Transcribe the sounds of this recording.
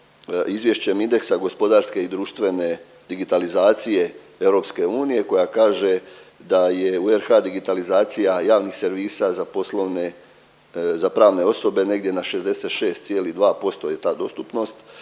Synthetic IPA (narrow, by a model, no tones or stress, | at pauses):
izʋje̞ʃt͡ɕe̞mind̪e̞ksaɡo̞spo̞d̪aɾske̞id̪ɾuːʃt̪ʋe̞ne̞ | d̪iɡit̪alizaːt̪sije̞ | e̞wɾo̞ːpske̞uːnije̞ko̞jakaːʒe̞d̪aje̞ueɾxad̪iɡit̪alizaːt̪sijajaːʋnixse̞ɾʋiːsazapo̞slˠoʋne | zapɾaːʋne̞o̞so̞be̞ne̞ɡd̪je̞naʃe̞zd̪e̞set̪ʃe̞ːst̪sjeːlid̪ʋaːpo̞st̪o̞je̞t̪aːd̪o̞st̪upno̞st̪